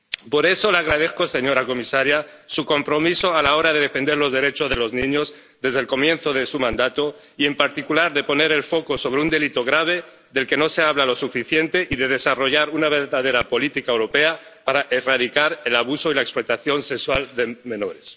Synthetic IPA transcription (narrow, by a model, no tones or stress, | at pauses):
po̞ɾeso̞laɣɾaðe̞θkose̞ɲo̞ɾako̞misaɾjasuko̞mpɾo̞miso̞alao̞ɾaðe̞ðe̞fe̞nd̪eɾlo̞zð̞eɾe̞t͡ʃozðe̞lo̞znĩɲo̞z | ðe̞zðelko̞mjẽ̞nθo̞ð̞e̞sumãnd̪at̪o | ie̞mpaɾt̪ikulaɾðe̞po̞ne̞ɾe̞lfo̞koso̞β̞ɾeund̪e̞lit̪o̞ɣ̞ɾaβ̞e̞ | ðe̞lke̞no̞seaβ̞lalo̞sufiθje̞nt̪e̞ʔiðe̞ð̞e̞saro̞ʝaɾunaβ̞e̞ɾðaðe̞ɾapo̞lit̪ikaewɾo̞pe̞a | paɾaʔeraðikaɾe̞laβ̞uso̞ilaekspɾet̪aθjo̞nsekswald̪emẽ̞no̞ɾes